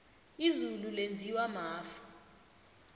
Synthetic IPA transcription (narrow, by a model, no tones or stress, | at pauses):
izululend͡zʱiwamaːfḁ